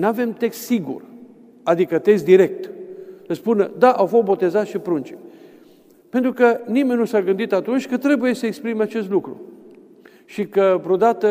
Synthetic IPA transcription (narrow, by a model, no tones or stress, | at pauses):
nave̞mt̪e̞kst̪siɡṵr | ad̪ikət̪e̞ks̬t̪d̪iɾe̞k̚t̪əspunəd̪aʔawfost̪bo̞t̪e̞zat̪ʃipɾunt͡ʃi | pent̪ɾukənime̞nʲːusaɡɨnd̪it̪at̪unt͡ʃʲkət̪ɾe̞buje̞səekspɾimat͡ʃe̞s̬t̪lukɾṵ | ʃikəvɾod̪at̪ə